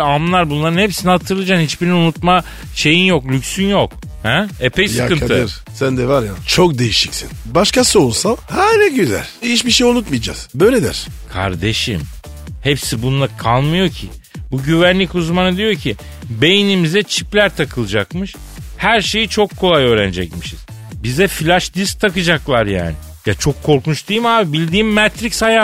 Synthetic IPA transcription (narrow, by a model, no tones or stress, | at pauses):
amˠaɾbunlˠaɾɯnhepsinihat̪ʰɯɾlˠɯd͡ʒanhit͡ʃbiɾinunut̪ma | ʃe̞jinjo̞klʲycsynjo̞k | hɛepejsjɨkɯnaɯɯɾ | sænd̪ɛvaɾjat͡ʃʰok̚d̪e̞jiʃicsḭnbaʃkasolˠsahɛnɛɟyzæ̰lʲit͡ʃbiʃejunut̪mijd͡ʒa̰z̥bø̞jlʲed̪ḭɾ̥kʰa̰ɾd̪e̞ʃim | hepsibunlˠakʰalˠmɯjo̞cʰi | buɟyvænlʲicuzmanɯd̪ijo̞cʰi | be̞jinimizɛt͡ʃʰiplʲæɾt̪ʰakʰɯlˠɯd͡ʒakmɯʃ | hæɾʃe̞jit͡ʃʰo̞kʰːo̞lˠajø̞ːɾænd͡ʒɛc̚miʃiz̥ | bizɛfilʲaʃd̪isk̚t̪ʰakɯd͡ʒaklˠaɾja̰ːnɪ | jat͡ʃʰo̞kʰːo̞ɾkunt͡ʃt̪ʰɯjɯmaːbibilʲd̪iːmːɛt̪ɾicshaja